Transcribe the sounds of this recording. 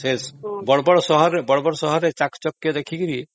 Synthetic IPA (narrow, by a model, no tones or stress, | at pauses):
sesbɔɽbɔɽsɔɦɔɾebɔɽbɔɽsɔɦɔɾet͡ʃakt͡ʃɔkːed̪ekʰikiɾi